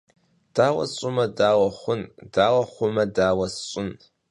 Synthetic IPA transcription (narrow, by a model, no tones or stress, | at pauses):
d̥aːwa̰t͡ʃʷʼʊmɐdaːwaχʷʊnd̥aːwɐχʷʊmɐdaːwɐst͡ʃʷʼʊn